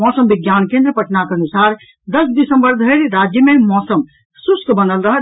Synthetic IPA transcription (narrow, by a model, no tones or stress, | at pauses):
ɔsəmbiɡjankẽnd̪ɾəpəʈnakənusaɾ | d̪əsd̪isəmbəɾd̪ʱəɾɾad͡ʒjəmemɔsəm | suskbənəlɾəɦ